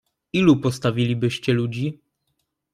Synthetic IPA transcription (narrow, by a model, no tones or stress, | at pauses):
ilupɔst̪avʲilʲibɘɕt͡ɕɛlud͡ʑi